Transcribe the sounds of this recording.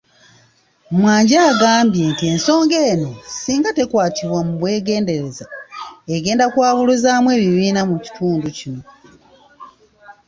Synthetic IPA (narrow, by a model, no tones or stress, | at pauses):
mwaːɲɟaːɡaːmbje̞ntie̞nso̞ːŋɡe̞ːno̞siːŋɡate̞kwaːtiβwamuβwe̞ːɡe̞ːnde̞ɾe̞zaeɡe̞ːndakwaːβuluzaːmwe̞ːβiβiːnamuci̥tʰuːnducino̞